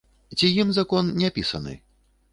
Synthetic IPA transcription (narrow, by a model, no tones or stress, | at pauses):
t͡sʲijimzakɔnnʲapʲisɐ̰nɨ̰